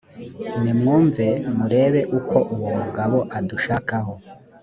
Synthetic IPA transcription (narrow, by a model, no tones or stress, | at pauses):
nimŋuːɱve̞muɾe̞ːβe̞ʔukʰo̞ʔuβumuɡaβo̞ʔaduʃaːkaɦo̞